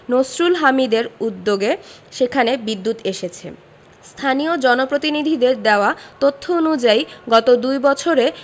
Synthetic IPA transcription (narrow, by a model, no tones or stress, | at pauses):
nosɾulɦamid̪eɾud̪ːoɡeʃekʰanebid̪ːut̪eʃet͡ɕʰḛ | st̪ʰanijod͡ʑɔnopɾot̪inid̪ʱid̪eɾd̪eoat̪ot̪ʰːoonud͡ʑaiɡɔt̪od̪ujbɔt͡ɕʰoɾe